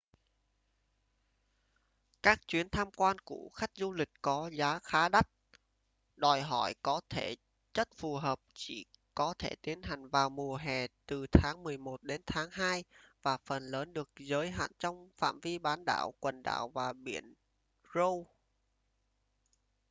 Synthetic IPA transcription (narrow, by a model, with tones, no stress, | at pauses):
kaː˦˥k̚t͡ɕwi˨˦ənt̪ʰaː˧mkwaː˧nku˧˩əxa˦˥jk̟̚zu˧lï˨˩k̟̚kɔ˨˦zaː˨˦xaː˨˦ɗa˦˥t̚ | ɗɔ˨˩jɦɔ̰˧˩jkɔ˨˦t̪ʰe˧˩ | t͡ɕə˦˥t̚fu˨˩ɦəː˨˩p̚t͡ɕḭ˧˩kɔ˨˦t̪ʰe˧˩t̪i˨˦ənɦa˨˩jŋ̟vaː˨˩wmu˨˩əɦɛ˨˩t̪ɨ˨˩t̪ʰaː˨˦ŋmɨ˨˩əjmo˨˩t̚ɗe˨˦nt̪ʰaː˨˦ŋɦaː˧jvaː˨˩fə˨˩nləː˨˦nɗɨ˨˩ək̚zəː˨˦jɦa̰ː˧˨nt͡ɕɔ˧wŋ͡mfa̰ː˧˨mvi˧ɓaː˨˦nɗa̰ː˧˩˨wkwə˨˩nɗa̰ː˧˩wvaː˨˩ɓḭ˧˩ən | zə˧w